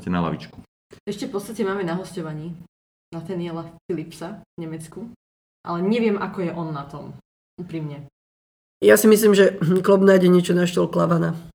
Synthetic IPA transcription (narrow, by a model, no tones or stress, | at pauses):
cɛna̰la̰ʋḭt͡ʃku̥ | ɛʃcɛfpɔt͡st̪acɛmaːmɛnaɦɔscɔʋaɲiː | nat̪anɪjɛlafilipsaɲɛmɛt͡sku | ʔa̰lɛɲɛʋɪɛmʔakɔjɛʔɔnːat̪ɔm | uːpɾimɲɛ | jasimislimʒɛklɔbnaːjɟɛɲɪɛt͡ʃɔnaʃt̪ɔlklaʋana